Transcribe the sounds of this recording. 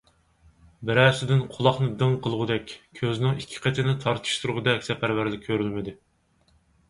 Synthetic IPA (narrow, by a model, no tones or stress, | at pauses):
bɪɾæsɪd̪ɪnqʰʊlˠɑχnɨd̪ɨŋqʰəlˠʁʊd̪ɛkʲʰøzɪnɪŋikʲʰːi̥qʰet̪ʰɪnɪt̪ʰɑɾt̪ʰɨ̥ʃt̪ʰuɾʁʊd̪ɛkʲsɛpʰæɾvæɾlɪkʲʰːøɾylmɪd̪ɪ